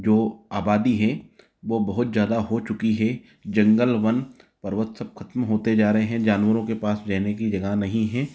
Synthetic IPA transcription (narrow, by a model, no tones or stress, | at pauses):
d͡ʒoːaːbaːd̪iɦɛ | ʋoːbɐɦʊt̪zjaːd̪aɦot͡ʃʊkiɦɛ | d͡ʒɐ̃ŋɡəlʋən | pɐɾʋət̪sɐb̚kʰɐt̪mɦoːt̪ed͡ʒaːɾɐɦeɦɛ̃d͡ʒaːnwəɾõkepaːsd͡ʒaːnekid͡ʒɐɡənɐɦĩɦɛ̃ː